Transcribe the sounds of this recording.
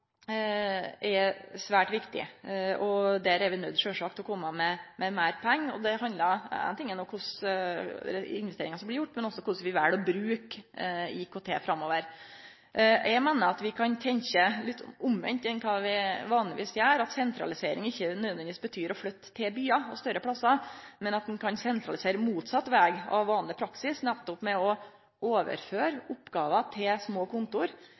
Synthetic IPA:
ʔɛsʋæːʈʋɪkt̪ɪ̰ɔd̪æɾæɾʋɪnœd̪ʂøːʂɑːkt̪ɛlɔkʰɔmːəmɛmɛmæːɾpʰæŋːɔ̰d̪ɛɦɑnd̪ləæ̰nt̪ɪŋːənɔkʰʊs | ɪ̰nʋɛst̪eːɾɪŋɑsɔmblɪɾjʊʈːmɛnɔsːɔkʰʊsʋɪʋæɽɔbɾʉːkɪkʰot̪ʰḛːfɾɑmːoːʋəɾ | jæɡmeːnəɾɑt̪ʋɪkʰɑnt̪ʰɛɲçəlɪt̪ːʊmʋɛ̰nt̪ɛnkʰɑːʋɪʋɑːnlɪʋḭːsjæːɾɑt̪sɛnt̪ɾɑ̰lɪseːɾɪ̰ŋɪçːənød̪ʋɛnʋiːsbət̪ʰyːɾɔflœt̪ʰːɪlbyːɑɔst̪œɾəpʰlɑsɑmɛnɑt̪mɛkʰɑnsɛnt̪ʰɾɑlɪseːɾəmuːt̪sɑt̪ːʋæːɡɑ̰ʋːɑːnlɪpʰɾɑksɪsnɛt̪ːɔpmɛɔ | ʔoːʋə̰ɾføːɾʊpːɡɑːʋɑt̪ʰɪlsmoːkʰʊnt̪ʊɾ

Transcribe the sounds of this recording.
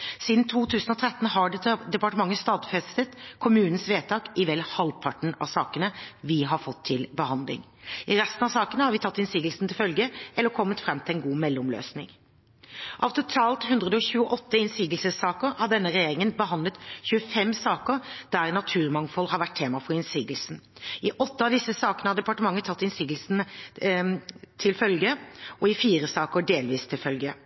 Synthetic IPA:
siːd̪nt̪ʰuːt̪ʰʉːsən̩ɔt̪ʰɾɛt̪ːn̩hɑɖɛd̪ɛpɑʈəmɑŋːəst̪ɑːt̪fɛst̪ət̪kʰʊmʉːnən̩sʋeːt̪ʰɑːkɪʋɛlːhɑlpʰɑʈɳ̩ɑ̰ʋsɑːkənəʋɪɦɑɾfɔt̪ʰːɪlbəhɑnd̪lɪ̰ŋɪɾɛst̪n̩ɑʋsɑːkənəhɑɾʋɪt̪ʰɑt̪ːɪnsiːɡ̪əlsn̩t̪ʰɪlfœlɡəʔɛlːəɾkʰɔmːət̪fɾɛmt̪ɪlɛnɡuːmɛlːʊmlø̰ːsnɪ̰ŋ | ʔɑ̰ʋt̪ʰʊt̪ʰɑːlt̪hʉnd̪ʁəd̪əɔçʉːəʔɔt̪ːəɪnsiːɡlsəsɑːkəɾhɑɾɖ̪ɛnːəɾɛjeːɾɪŋənbəɦɑnd̪lət̪çʉːəfɛmːsɑːkəɾd̪̥æɾnɑt̪ʰʉːɾmɑŋfɔlhɑɾʋæʈ̚t̪ʰːeːmɑfɔɾɪnsiːɡlsn̩ɪʔɔt̪ːəɑʋd̪ɪsːəsɑːkənəhɑɖ̪ɛpɑʈəmɑŋːət̪ʰɑt̪ːɪnsiːɡəl̩sn | t̪ʰɪlfœlɡəɔɪfiːɾəsɑːkəɖeːlʋiːst̪ʰɪlfœlɡə

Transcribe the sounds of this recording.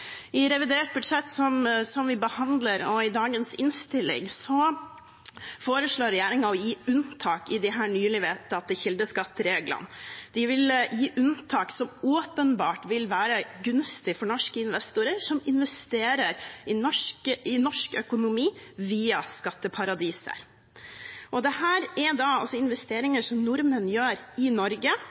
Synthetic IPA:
ʔɪɾɛʋɪd̪eːʈ̚bʉdʂɛt̪ːsɔmsɔmʋɪbəhɑnd̪ləɾɔɪd̪ɑːɡənsɪnst̪ɪlɪ̰ŋsɔ | foːɾəʂɭoːɾɛjæːɾɪŋɑɔjiːʉnt̪ʰɑːkɪd̪ɪɦæːɳyːlɪʋeːt̪əɑt̪̚d̪ɪçɪld̪əskɑt̪ːəɾeːɡlɑ̰nd̪ɪʋɪljiːʔʉnt̪ʰɑːksɔmoːpənbɑːʈʋɪlʋæːɾəɡʉnst̪ɪfɔɳɔʂkəɪnʋɛst̪ʊɾəɾʂɔmɪnʋɛst̪eːɾəɾɪnɔʂkəɪnɔʂkœkʊnʊmiːʋiːɑskɑt̪ːəpʰɑɾɑd̪iːsə̰ɾ | ʔɔd̪ɛhæːɾɛd̪ɑɑlsɔɪnʋɛst̪eːɾɪŋəʂɔmnʊɾmənjøːɾɪnɔɾɡə

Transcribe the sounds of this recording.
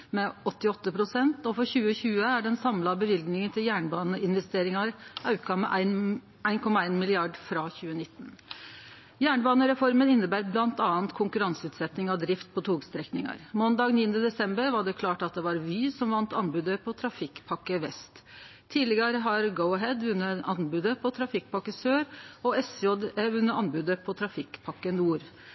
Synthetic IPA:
mɛɔt̪ːɪɔt̪ːəpʰɾʊsɛnt̪ɔfɔɾçʉːəçʉːəæɖɛnsɑmlɑbəʋɪlɡnɪŋənt̪ʰɪljæːɳbɑːnəɪnʋɛst̪eːɾɪŋɑɾɑʉkɑmɛ̰ʔæɪn | æɪnkʰɔmːɑæɪnmɪlɪɑɖfɾɑçʉːənɪt̪ːən | jæːɳəbɑːnəɾɛfɔɾmənɪnːəbæːɾblɑnt̪ɑːənt̪kʰʊŋkʉɾɑnsəʉːt̪sɛt̪nɪŋɑʋd̪ɾɪft̪̚pʰɔt̪ʰuːɡst̪ɾɛknɪŋɑ̰ɾmɔnd̪ɑːɡniːənəd̪ɛsɛmbəɾʋɑɖɛkʰlɑːʈɑt̪̚d̪ɛʋɑɾʋiːsɔmʋɑnt̪ɑnbʉːd̪əpʰɔt̪ʰɾɑfɪkːpʰɑkːəʋɛst̪ʰː | iːlɪɡəɾəɦɑɾɡəʊɦɛd̪ʋʉnːəɑnbʉːd̪əpʰɔt̪ʰɾɑfɪkːpɑkːəsøːɾɔɛsjɔd̪ɛʋʉnːəʔɑnbʉd̪əpʰɔt̪ʰɾɑfɪkːpʰɑkːənuːɾ

